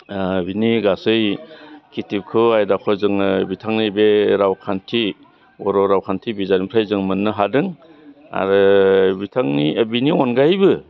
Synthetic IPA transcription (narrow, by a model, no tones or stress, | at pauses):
biniɡasɯjkʰitip̚kʰɯwajdakʰɔzɯŋbitʰaŋnibeɾawkʰantʰi | ɔɾɔɾawkʰantʰibizanimpʰɾajzɯŋmɯnːɯɦadɯŋ | a̰ɾɯbitʰaŋnibiniɔnɡajbɯ